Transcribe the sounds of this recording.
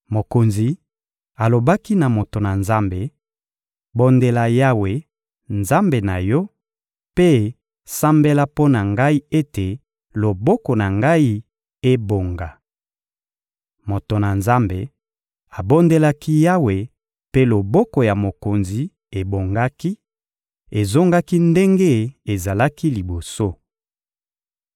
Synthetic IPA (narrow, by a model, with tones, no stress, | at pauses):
mo˨ko˨nzi˨ | a˨lo˨ba˦ki˦na˨mo˨to˨na˨nza˦mbe˨ | bo˦nde˦la˦ja˦we˨ | nza˦mbe˨na˨jɔ˦ | pe˦ | sa˦mbe˦la˦po˦na˨ŋɡa˦i˦e˦te˨ | lo˨bɔ˦kɔ˨na˨ŋɡa˦i˦ | e˦bo˨ŋɡa˨ | mo˨to˨na˨nza˦mbe˨ | a˨bo˦nde˦la˦ki˦ja˦we˨ | pe˦lo˨bɔ˦kɔ˨ja˨mo˨ko˨nzi˨ | e˨bo˨ŋɡa˦ki˦ | e˨zo˦ŋɡa˦ki˦nde˦ŋɡe˦e˨za˨la˦ki˦li˨bo˨so˦